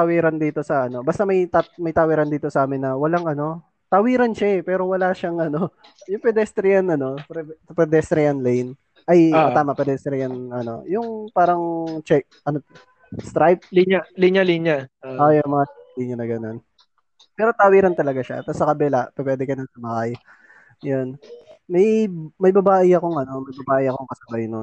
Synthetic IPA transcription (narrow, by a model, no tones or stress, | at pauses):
t̪awiːɾɐnd̪iːt̪o̞sɐʔɐno̞bɐst̪ɐmɐjt̪amɐjt̪aːwiːɾɐnd̪iːt̪o̞sɐʔaːmɪnːɐwɐlaŋʔɐno̞ | t̪awiːɾɐnʃapɛːɾo̞wɐlaʃaŋɐno̞ | jʊŋpɛd̪ɛst̪ɾɪjɐnɐno̞pɛpɛd̪ɛst̪ɾɪjɐnlɛjn | ʔɐjt̪aːmɐpɛd̪ɛst̪ɾɪjɐnʔɐno̞̰jʊŋpaːɾɐŋt͡ʃɛk̚ʔɐno | st̪ɾajp̚lialiɲaliɲaʔojonmɐŋasap̚liɲɐnɐɡɐno̞n | pɛːɾo̞t̪aːwiɾɪnt̪ɐlɐɡaʃa̰t̪ɐsːɐkɐbɛlaʔpɛpwɛːd̪ɛkɐnɐŋsɐmahaj | jonmɐjmɐjbɐbaːʔɪɐko̞ŋʔɐno̞mɐjbɐbaːʔɪʔɐkoŋkɐsɐbɐjnon